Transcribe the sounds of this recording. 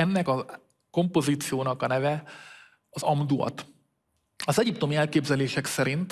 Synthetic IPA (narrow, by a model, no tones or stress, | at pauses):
ɛnːɛkɒ | ko̞mpo̞ziːt̪sijoːnɒkɒnɛvɛ | ɒzɒmd̪uɒ̰t̪ | ɒzɛɟipt̪o̞miɛlkeːbzɛleːʃɛksɛɾint̪